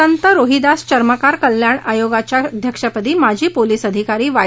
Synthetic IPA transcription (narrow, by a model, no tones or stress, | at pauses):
ənt̪əɾoɦid̪ast͡ɕəɾməkaɾkəljaɳajoɡat͡ɕjad̪ʱjəkʂəpəd̪iːmad͡ʑʱiːpoliːsəd̪ʱikaɾiːʋa